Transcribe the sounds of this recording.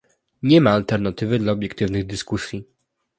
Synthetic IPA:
ɲɛmaːlt̪ɛɾnat̪ɘvɘd̪laɔbʲjɛkt̪ɘvnɘɣd̪ɘskusʲji

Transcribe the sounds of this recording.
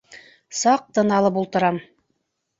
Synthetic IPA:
sɑq̚t̪ɤ̆nɑlˠɤpulˠt̪ɤ̆ɾɑm

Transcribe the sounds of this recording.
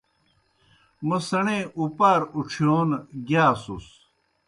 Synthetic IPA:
mɐsɐɳeːʔupaːɾuʈ͡ʂʰjoːnɡaːsus

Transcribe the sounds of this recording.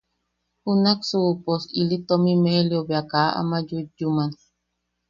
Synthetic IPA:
hunaksupɔsilit̪omimehliobeakaa̰mad͡ʒud͡ʒuman

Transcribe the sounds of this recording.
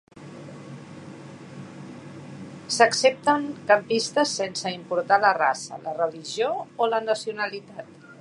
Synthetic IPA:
səksep̚t̪əŋkəmpist̪əsːensəimpuɾt̪aləra̰sə̰lərəliʒioolənəsiunəlit̪at̪

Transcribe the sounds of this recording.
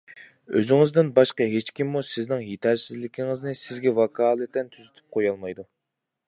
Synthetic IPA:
ø̰zɪŋɪzd̪ɪnbɑʃqɑɦet͡ʃkʲimːusɪznɪŋjet̪ʰæɾsɪzlɪkʲʰɪŋɪznɪsɪzɡʲɛvɑkʰɑːlˠɨt̪ɛnt̪ʰyzyt̪ʰy̥p̚qʰojɑlˠmɑjd̪u

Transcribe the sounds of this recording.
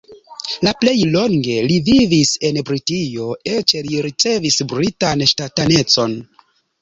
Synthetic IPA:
laple̞jlo̞ŋɡe̞livivise̞nbɾitijo̞et͡ʃeliɾit͡se̞visbɾitanʃtatane̞t͡so̞n

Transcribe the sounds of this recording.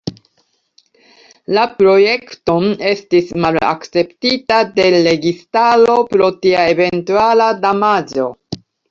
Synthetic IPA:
lapɾo̞je̞kto̞ne̞stismala̰kt͡se̞ptitade̞ɾe̞ɡistalo̞pɾo̞tiae̞ve̞ntualadamad͡ʒo̞

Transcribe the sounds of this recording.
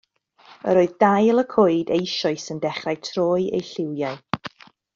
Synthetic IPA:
ə̰ɾoːɨðdajlˠəkʰoːɨdejʃɔɨsəndɛχrajtʰroːɨjḛjɬɪwjaɨ

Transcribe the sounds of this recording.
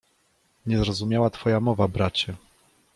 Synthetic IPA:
ɲɛzɾɔzumʲjawat̪fɔjamɔvabɾat͡ɕɛ

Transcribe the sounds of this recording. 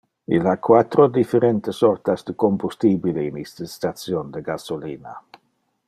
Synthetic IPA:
ḭlhakʰwat̪ɾodifɛɾɛnt̪əsɔrt̪asd̥̪əkombustibilinistəstat͡sjondəɡasoliːna̰

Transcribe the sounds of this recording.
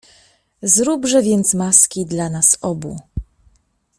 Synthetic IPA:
zɾubʐɛvʲjɛnt̪smaskʲid̪lanasɔbṵ

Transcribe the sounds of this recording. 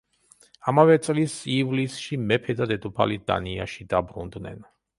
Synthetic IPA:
amavɛt̪sʼlisivlisʃimɛpʰɛd̪ad̪ɛd̪upʰalid̪a̰niaʃid̪abɾund̪nɛ̰n

